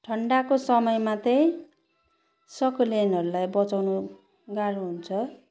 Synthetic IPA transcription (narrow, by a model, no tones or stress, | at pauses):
ʈʰʌɳɖakosʌmʌjmat̪ʌj̃ | sʌkʌlenʌɾulajbʌt͡sawnu | ɡaɾuɦunt͡sʰʌ